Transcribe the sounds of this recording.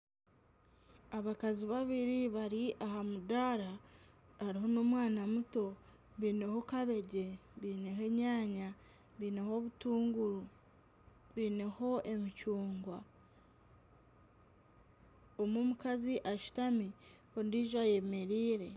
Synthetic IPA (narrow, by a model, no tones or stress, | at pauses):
aβakaziβaβiɾiβaɾiʔaɦamudaɾa | aɾiɦo̞no̞mwaːnamuto̞ | βiːne̞hokaβe̞ɟe̞βiːne̞he̞ɲaːɲa | βiːne̞ho̞βutuːŋɡuɾu | βiːne̞ho̞ʔe̞micuːŋɡwa | omumukaziʔaʃu̥tami | ondiʒaje̞me̞ɾiːɾe̞